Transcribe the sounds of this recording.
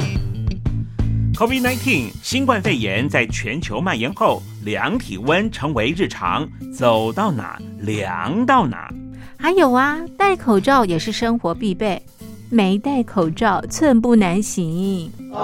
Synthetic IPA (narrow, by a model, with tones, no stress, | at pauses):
kʰɔ˥vi˥d̚na˧˥ɪt̪ʰi˥˩ŋɕi˥nkwa˥˧nfe˥˩ɪjɛ˧˥nt͡sa˥˩ɪt͡ɕʰɥɛ˧˥nt͡ɕʰjo˧˥ʊma˥˩jɛ˧˥nxo˥˩ʊ | ljɑ˧˥ŋt̪ʰḭ˨˩wə˥nʈ͡ʂʰɤ˧˥ŋwe˧˥ɪɻɻ̩˥˩ʈ͡ʂʰɑ̰˧˥ŋt͡so˨˩ʊt̪ɑ˥˩ʊna̰˨˩˦ | ljɑ̰˧˥˦ŋt̪ɑ˥˩ʊna̰˨˩˦ | xa˧˥ɪjo˨˩ʊɐ˧˦t̪a˥˩ɪkʰo˨˩ʊʈ͡ʂɑ˥˩ʊjɛ˨˩ʂɻ̩˥˩ʂɤ˥ŋxwɔ˧˥pi˥˧pe˥˩ɪ | me˧˥ɪt̪a˥˩ɪkʰo˨˩ʊʈ͡ʂɑ˥˩ʊt͡sʰwə˥˧np̬u˥˩na˧˥nɕi˧˥ŋi˥˩ŋ